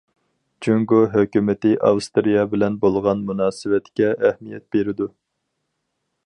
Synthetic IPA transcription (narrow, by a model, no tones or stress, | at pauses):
d͡ʒuŋɡoɦøkʲymɪt̪ɪʔɑ̰wst̪ɾijɑbɪlɛnbolˠʁɑnmunɑːsɨwɛt̪kʲɛɛhmijɛt̪̚beɾɪd̪u